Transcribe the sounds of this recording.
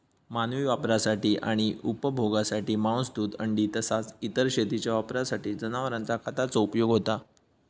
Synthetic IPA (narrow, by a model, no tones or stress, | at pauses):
manʋiːʋapɾasaʈiːʔaɽ̃iupəbʱoɡasaʈiːmãw̃sd̪uːt̪əɳɖiːt̪əsat͡sit̪əɾɕet̪it͡ɕjaʋapɾasaʈiːd͡zənaʋəɾãnt͡sakʰat̪at͡sɔupjoɡɦot̪a